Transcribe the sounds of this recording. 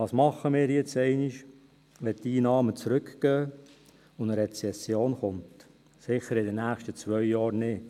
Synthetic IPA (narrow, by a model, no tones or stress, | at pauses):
ɑːsmɑχəmɪːɾjɛt͡sɛɪnɪʃ | ʋɛttiːnɑːmət͡sɾʏkɡ̥œː | ʊnəɾɛt͡sɛsjoːnχʊnt | sɪχəɾɪdənæːχʃtət͡sʋœʏjɑːɾnɪː